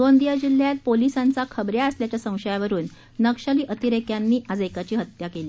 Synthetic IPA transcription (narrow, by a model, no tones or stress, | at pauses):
d̪ond̪ijad͡ʑil̤jat̪̚polisãnt͡sakʰəbɾjaəsljat͡ɕasə̃w̃ɕəjaʋəɾuːnː | əkʂaliːʔət̪iɾekjanːiːʔad͡zekat͡ɕiːɦət̪jakeliː